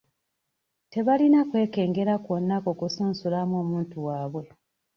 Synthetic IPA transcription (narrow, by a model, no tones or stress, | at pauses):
te̞βalinakwe̞ːke̞ːŋɡe̞ɾakwonːako̞ːkusuːnsulamo̞ːmuːntuwaːβwe̞